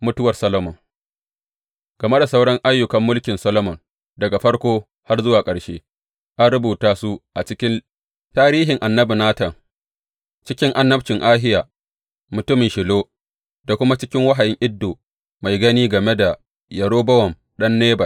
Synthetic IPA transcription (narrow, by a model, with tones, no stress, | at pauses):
mʊ˦tʊ˦wɐ˨rsɐ˦lo˦mɔ˨ŋ | ɡ̥ɐ˨me˦da˨sa˦wɽɐ˦ŋʔa˦jːʊ˨kɐ˨mːʊ˦lkʲɪ˨nsɐ˦lo˦mɔ˨n | dɐ˨ɡa˨ɸɐ˦ɽkʷoː˦ | ha˦rzʊ˦waː˨kʼɐ˨ɽʃeː˦ | ʔa˦nɽʊ˦buː˨taː˦su˦ʔa˨t͡ʃɪ˦kʲɪ˦n | taː˦ɾiː˦ɦɪ˨ŋʔa˨nːɐ˦bi˨naː˦tɐ˨ŋ | t͡ʃɪ˦kʲɪ˦ŋʔa˨nːɐ˦bt͡ʃɪ˨ŋʔaː˦ɦɪ˦jaː˨ | mʊ˨tʊ˦mɪ˨ʃɪ˨loː˦ | da˨kʷʊ˦ma˦t͡ʃɪ˦kʲɪ˦ŋwa˦ɦa˨jɪ˦ŋʔɪ˦dːoː˨ | ma˨jɡɐ˦niː˦ɡɐ˨me˦da˨ | jɐ˨ɽoː˦bɐ˦wɐ˨m | ɗɐ˦nːeː˦bɐ˨